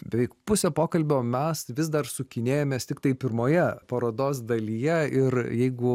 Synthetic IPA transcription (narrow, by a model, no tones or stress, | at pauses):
bʲɛʋʲɛɪkpʊsʲoːpoːkɐlʲbʲoːmʲɛsʋʲɪzd̪ɐrsʊkʲɪnʲeːjoːmʲeːst̪ʲɪkt̪ɐɪpʲɪɾmoːjɛpɐɾoːd̪oːs̬d̪ɐlʲijɛɪrjɛɪɡʊ